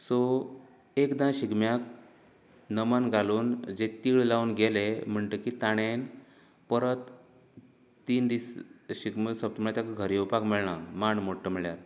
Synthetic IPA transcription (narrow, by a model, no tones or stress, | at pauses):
so | ekd̪ãɕiɡmjak̚ | nəmənɡʱaluːnd͡ʑet̪iːɭlauːnɡelem̤əɳʈ̪əkit̪aɽ̃en | pəɾət̪ | iːnd̪isɕiɡmsəp̚t̪əmiɭat̪jakaɡʱəɾiupakmiɭɳamaɳmoʈʰːəmiɭjaɾ